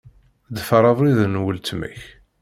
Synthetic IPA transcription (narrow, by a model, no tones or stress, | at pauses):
d̪əfəɾˤɑðˤɾiðnwəlt̪mə̰ç